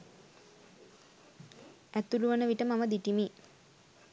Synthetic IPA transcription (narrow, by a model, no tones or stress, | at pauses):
æt̪uluʋənəʋiʈəmaməd̪iʈimi